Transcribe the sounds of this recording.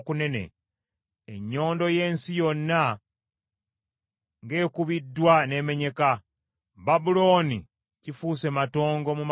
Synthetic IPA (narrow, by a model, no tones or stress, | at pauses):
kune̞ne̞̰ | eɲːo̞ːndo̞je̞ːnsijo̞nːa | ŋɡe̞ːkuβidːwane̞me̞ɲe̞ka | babulo̞ːni | cifuːse̞mato̞ːŋɡo̞mum